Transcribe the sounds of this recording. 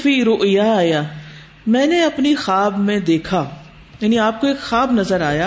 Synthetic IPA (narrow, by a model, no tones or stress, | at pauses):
fiɾoʔijaːjaː | mɛ̃ːneɐpnixaːbmẽd̪eːkʰaː | jaːniaːp̚koeːkxaːbnɐzəɾaːjaː